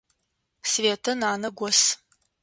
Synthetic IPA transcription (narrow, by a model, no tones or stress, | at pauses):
sveːtʰɐnaːnɐɡʷɔs